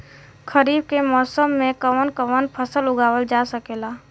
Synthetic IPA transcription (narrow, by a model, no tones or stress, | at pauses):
kʰəɾiːb̚kemɔːsəmːẽkəʋənkəʋənpʰəsəlʊɡaːʋəld͡ʒaːsəkeːlaː